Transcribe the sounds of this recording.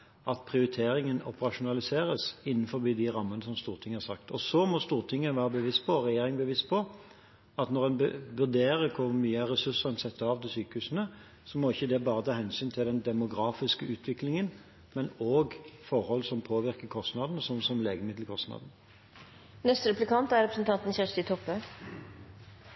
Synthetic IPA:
ʔɑt̪pʰʁɪʊɾɪt̪ʰeːɾɪŋənɔ̰pəʁɑʂʊnɑlɪseːɾəsɪnːnfɔɾbiːd̪ɪɾɑmːənəsɔmst̪uːʁt̪ʰɪŋːəhɑʁsɑkt̪ʰɔsɔmɔst̪uːʁt̪ʰɪŋːəʋæːʁəbəʋɪst̪̚pʰɔɾɛjeːɾɪŋbəʋɪst̪̚pʰɔ | ɑt̪nɔʁdɛnbʋʉd̪eːɾəɾkʰʊɾmyːəɾɛsʉsənsɛt̪ːəɑːʋt̪ɪlsyːkəhʉːsənə | sɔmɔɪçːəd̪ɛbɑːʁət̪ʰɑːhɛnsyːnt̪ʰɪld̪ɛnd̪ɛmʊɡɾɑːfɪskəʔʉːt̪ʰʋɪklɪŋən | mɛnoːɡfɔɾhɔlsɔmpʰoːʋɪɾkəkʰɔst̪nɑːd̪n̩sɔmsɔmleːɡəmɪd̪l̩kʰɔst̪nɑ̰ːd̪n̩ | nɛst̪əɾɛplɪkʰɑnt̪æɾɛpɾsnt̪ʰɑnt̪n̩çæʂt̪ɪt̪ʰɔpːə

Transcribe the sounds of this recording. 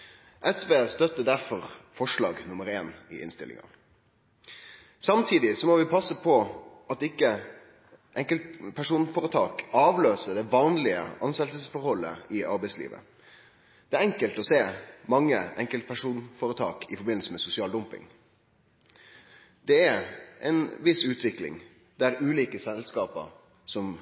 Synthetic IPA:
ʔɛsʋeːst̪œt̪ːəd̪æʁfɔʁfɔʂlɑ̰ːɡnʊməɾeːnɪ̰ʔɪ̰nst̪ɪlɪ̰ŋɑ̰ | sɑmt̪ʰiːd̪ɪsɔmɔʋɪpʰɑsəpʰɔ | ɑt̪ɪkːə | ʔɛŋkəlt̪pʰæʂuːnfɔʁət̪ʰɑːkɑːʋløːsəd̪ɛʋɑːnlɪə̰ʔɑnst̪ɛləssfɔɾhɔlːə̰ɪɑɾbæɪslḭːʋə̰ | d̪̥ɛæɾɛŋkəlt̪ɔseːmɑŋːəʔɛŋkəlt̪̚pʰæʂuːnfɔːɾət̪ʰɑ̰ːkɪfɔɾbɪnl̩səmɛsʊsɪɑːld̪ʊmpɪ̰ŋ | d̪ɛæɾʔɛ̰nʋɪsʉːt̪ʰʋɪklɪ̰ŋ | d̪̥æɾʉːliːkəsɛlskɑːpə̰ɾ | sɔm

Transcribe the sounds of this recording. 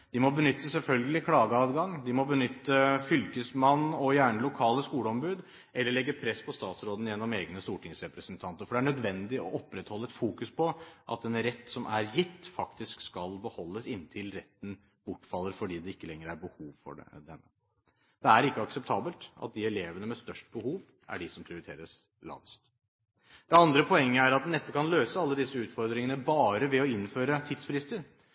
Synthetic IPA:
d̪̥ɪmɔbənʏt̪ːəsɛlfœlɡəlɪkʰɽɑːɡəɑːd̪ɡɑŋd̪ɪmɔbənʏt̪ːəfʏlkəsmɑnːɔjæːɳəlʊkʰɑːləskuːləɔmbʉːd̪ | ʔɛlːəɭɛɡːəpʰɾɛspʰɔst̪ɑːt̪sɾoːd̪n̩jɛnːɔmeːɡnəst̪uːʈʰɪŋsɾɛpɾəsənt̪ʰɑnt̪əɾfɔɖɛæɳœd̪ʋɛnd̪ɪɔʔɔpːɾɛt̪hɔlːəɛt̪fuːkʉspʰɔʔɑ̰t̪ɛnɾɛt̪ːsɔmʔæɾjɪt̪ːfɑkt̪ɪskskɑlbəhɔlːəsɪnːt̪ʰɪlɾɛt̪ːn̩ | b̥ʊʈːfɑlːəɾfɔɖiːd̪ɛɪkːəlɛŋːəɾæɾbəhuːʋfɔ̰ɖd̪ɛnːə | d̪̥ɛæɾɪkːəɑksɛp̚t̪ʰɑːbəlt̪ʔɑ̰t̪̚d̪ɪɛleːʋənəmɛst̪œʂʈbəhuːʋ | æ̰ɖɪsɔmpʰɾɪʊɾɪt̪ʰḛːɾəs | lɑ̰ːʋst̪ | d̪̥ɛɑnd̪ɾəpʰɔɛŋːəæɾɑt̪nɛt̪ːəkʰɑnløːsəɑlːəd̪ɪsːəʉːt̪fɔɾd̪ɾɪŋənəbɑːɾəʋɛɔɪnføːɾət̪ʰɪd̪sfɾɪst̪əɾ

